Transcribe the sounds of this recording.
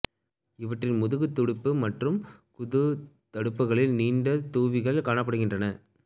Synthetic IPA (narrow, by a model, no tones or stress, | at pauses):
ɪʋɐʈrɪnmʊðɯɣɯt̪ːʊɽɪpːɯmɐʈrɯmkʊðɯt̪ɐɽɯpːɯɣɐɭɪlniːɳɖɐt̪uːʋɪɣɐɭkaːɳɐpːɐɽɯɣɪndrɐnɐ